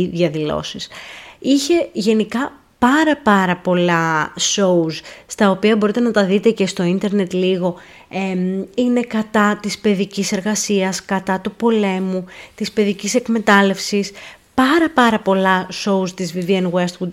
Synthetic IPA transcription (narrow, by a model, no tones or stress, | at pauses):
ðʝɐðilo̞̰sisiçe̞ʝe̞nikɐ | pɐɾɐpɐɾɐpo̞lɐso̞usst̪ɐo̞piɐbo̞ɾit̪e̞nɐt̪ɐðit̪e̞ce̞st̪o̞int̪e̞ɾne̞t̪liɣo̞ | eine̞kɐt̪ɐt̪ispe̞ðicise̞ɾɣɐsiɐskɐt̪ɐt̪upo̞le̞mut̪ispe̞ðicise̞kme̞t̪ɐle̞fsis | pɐɾɐpɐɾɐpo̞lɐso̞ust̪izvivienwest̪ɣud̪